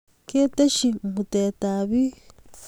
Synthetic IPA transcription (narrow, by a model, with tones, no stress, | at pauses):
ke˦t̪e˦ʃi˨ŋ̩˨hu˨t̪e˨t̪a˨βi˦